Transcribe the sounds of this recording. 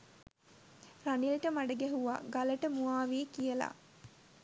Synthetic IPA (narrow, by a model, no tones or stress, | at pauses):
ranilʈəmaɖəɡæɦuʋa̰ɡaləʈəmuaːʋiːkijəla̰